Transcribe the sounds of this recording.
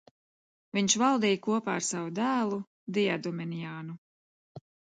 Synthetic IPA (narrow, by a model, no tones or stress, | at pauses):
viɲʃvalˠd̪ɛːjkuɔpaːɾsavud̪æːlˠu | d̪iad̪ɔmɛnijaːnu